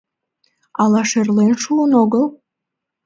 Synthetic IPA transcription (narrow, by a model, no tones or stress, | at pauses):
ɑlˠɑʃerlenʃulonoɡəlˠ